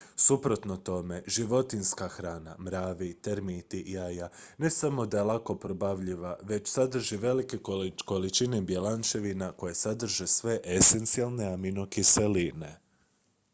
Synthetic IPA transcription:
supɾo̞t̪no̞t̪o̞me̞ʒiʋo̞t̪inskaxɾaːna̰mɾaːʋit̪eɾmit̪ijajane̞samo̞d̪aelako̞pɾobaʋʎiʋaʋe̞t͡ʃsad̪r̩ʒiʋe̞like̞ko̞lit͡ʃine̞bje̞lant͡ʃe̞ʋinako̞jesad̪r̩ʒesʋe̞ʔese̞nt̪sialˠne̞amino̞kiseline̞

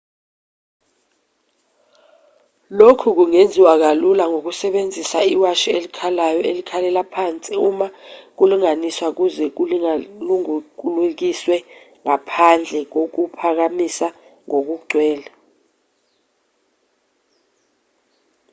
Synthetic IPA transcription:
lokʰuk̬uŋend͡zʱiwak̬alulaŋok̬usɛɓend͡zʱisaiwaʃɛelikʰalajɔelikʰalɛlapʰant͡sʼiumak̬uluŋaniswak̬uzɛk̬uluŋk̬uluk̬iswɛ | ŋapʰand͡ɮʱɛk̬ok̬upʰak̬amisaŋok̬uɡ͡ǀʱwɛːla

